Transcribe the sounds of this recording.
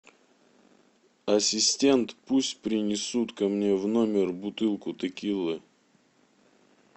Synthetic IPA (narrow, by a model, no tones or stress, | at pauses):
ɐsʲɪsʲtʲent̪pusʲt̚ʲpɾʲɪnʲɪsut̪kɐmnʲe̞vnomʲɪrbʊt̪ɨlˠkʊt̪ɨkʲilˠɨ